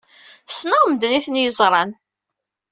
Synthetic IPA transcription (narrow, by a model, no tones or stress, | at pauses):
snəʁmd̪niθnjəzˤɾˤɑn